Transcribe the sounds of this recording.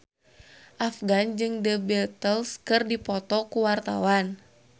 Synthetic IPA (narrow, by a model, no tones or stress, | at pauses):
ʔafɡand͡ʒɨŋdəbɛt̪əlskɨrdipɔt̪ɔkuwart̪a̰wan